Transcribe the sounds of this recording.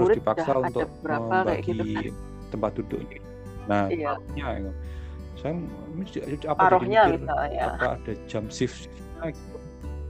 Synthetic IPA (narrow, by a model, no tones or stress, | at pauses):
sɾɪdipakdasaunat̪ʊabəbəɾaabaja̰ɡii | t̪əmpat̪̚dudʊ̰ʔɲai | nahaaɔhɲaja | saja | mad͡ʒdat͡ʃut͡ʃapaɾɔihɲamisalɲa̰pa̰ːd̥ad͡ʒamsɪfsɪfɲaɡit̪u